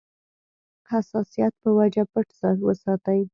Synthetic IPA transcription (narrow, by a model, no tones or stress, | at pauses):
hasɑsijɑt̪̚pəwad͡ʒapəʈsɑwəsɑt̪aj